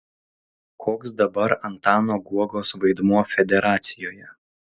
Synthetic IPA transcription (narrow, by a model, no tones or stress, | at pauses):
kʰoːksd̪ɐbɐɾɐnt̪ɑːnoːɡuɔɡoːsʋɐɪd̪muɔfʲɛd̪ʲɛɾɑːt̪sʲɪjoːjɛ